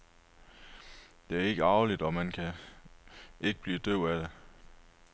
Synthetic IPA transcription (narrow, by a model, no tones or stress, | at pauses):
d̥e̝æɐe̝ɡ̥əɑ̈ʊlid̥ɒ̽mænkʰæ | ʔe̝ɡ̥əb̥liːd̥øʊ̰æd̥e